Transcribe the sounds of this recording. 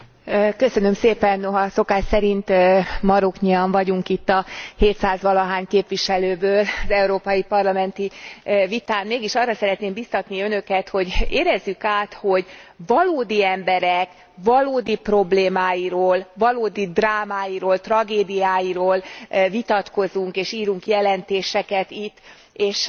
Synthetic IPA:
kø̞sø̞nø̞mseːpɛnːoɦɒso̞kaːʃsɛɾint̪mɒɾokɲiɒɱvɒɟuŋkit̪ːɒheːt̪saːzʋɒlɒɦaːɲkeːpʋiʃɛløːbøːlɒzɛuɾoːpɒjipɒrlɒmɛnt̪ivit̪aːmmeːɡiʃɒrɒsɛɾɛt̪neːmbist̪ɒt̪niø̞nø̞kɛt̪ho̞ɟeːɾɛzːykaːt̪ho̞ɟvɒloːd̪iɛmbɛɾɛk | vɒloːd̪ipro̞bleːmaːjiɾoːlvɒloːd̪id̪raːmaːjiɾoːlt̪rɒɡeːd̪ijaːjiɾoːlvit̪ɒt̪ko̞zuŋkeːʃiːɾuŋkjɛlɛnt̪eːʃɛkɛt̪it̪ː | eːʃ

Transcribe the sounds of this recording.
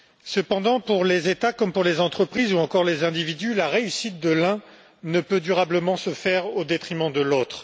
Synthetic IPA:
səpɑ̃d̪ɑ̃puʁlezet̪akɔmpuʁlezɑ̃t̪χəpχizuɑ̃kɔʁlezɛ̃d̪ivid̪ylaʁeysit̪̚d̪əlɛ̃ | nəpød̪yʁabləmɑ̃səfɛʁod̪et̪χimɑ̃d̪əlot̪χ

